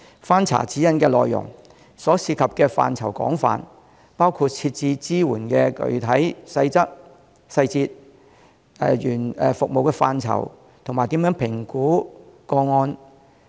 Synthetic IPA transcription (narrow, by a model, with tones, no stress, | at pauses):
faː˥nt͡sʰa̰ː˨˩t͡si˨˥jɐ˨˧nkɛː˧lɔː˨jːʊ̰˨˩ŋ | sɔː˨˥siː˧kʰɐ˨p̚kɛː˧fa̰ː˧nt͡sʰɐ˨˩wkɔ̰ː˨˥ŋfa̰ː˨n | paː˥wkʰuː˧t̚t͡sʰiː˧t̚t͡siː˧t͡siː˥wuː˨˩nkɛː˧kɵ̰˨˧ɥt̪ʰɐ˨˥jsɐ˧jt͡sɐ˥k̚ | sɐ˧jt͡siː˧t̚ | ɛː˨˧jyː˨˩nɛː˨fʊ˨k̚mo˨wkɛː˧faː˧nt͡sʰɐ̰˨˩w | t̪ʰmaː˨˩jt̪iː˨˥mjœ˨˥ŋpʰɪ˨˩ŋkuː˨˥kɔː˧ŋɔː˧n